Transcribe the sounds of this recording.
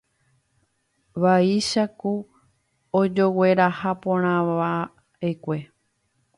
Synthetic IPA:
ʋaiʃaku | od͡ʒo̞we̞ɾahapõɾ̃ãʋa | ekʷe̞

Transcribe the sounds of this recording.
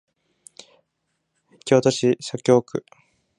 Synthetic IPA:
kʲot̪oɕisakʲo̞ːkɯ̟

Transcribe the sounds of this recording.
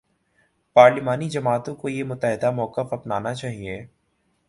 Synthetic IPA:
paːɾlɪmaːnid͡ʒɐmaːt̪õkojemʊt̪ːəɦɪd̪amɔːkəfɐpnaːnat͡ʃaːɦieː

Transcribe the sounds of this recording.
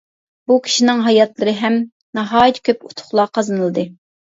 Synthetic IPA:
b̥ukʲʰi̥ʃinɪŋɦɑjɑt̪lˠɨɾɨɦɛm | nɑɦɑːjit̪kʲʰøput̪ʰʊ̥χlˠɑqʰɑzɨnɨlˠɨd̪ɨ

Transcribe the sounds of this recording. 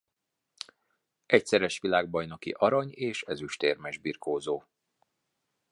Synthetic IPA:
ʔɛcsɛɾɛʃʋilaːɡ̚bɒjno̞kḭʔɒɾɒɲeːʃɛzyʃt̪eːrmɛʒbiːrkoːzoː

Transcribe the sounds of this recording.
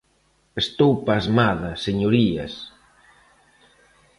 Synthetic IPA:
est̪owpazmaðɐseɲoɾiɐ̰s

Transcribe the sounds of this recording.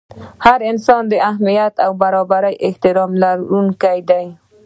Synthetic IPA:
haɾɪnsɑnd̪əahmijat̪awbaɾɑbaɾəjʔɪht̪ɪɾɑmlaɾunkajd̪aj

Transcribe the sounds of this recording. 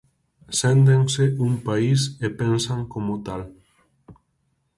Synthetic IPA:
send̪eŋseʔuŋpaisepensaŋkomot̪al

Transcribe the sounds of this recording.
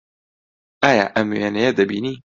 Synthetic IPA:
ʔaːja̰ːʔɐmweːnɐjed̪ɐbiːniː

